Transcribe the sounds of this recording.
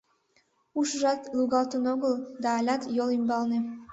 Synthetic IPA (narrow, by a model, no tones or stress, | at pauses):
uʃəʒɑt̪luɣɑlt̪unoɣəld̪ɑːlʲɑt̪jolimbɑlne